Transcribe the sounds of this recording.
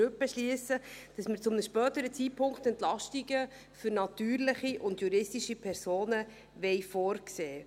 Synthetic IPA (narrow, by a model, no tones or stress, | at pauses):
øpːəʃliəsəd̥ɑsmɪɾt͡sʊmnəʃpœːt̪əɾət͡sit̚pʰʊŋkχt̪ɛnt̪lɑʃtiɡə | fʏɾnɑtyːɾləχiʔʊndjuɾɪstiʃipʰɛɾsoːnə | ʋɛɪfɔːɾkseː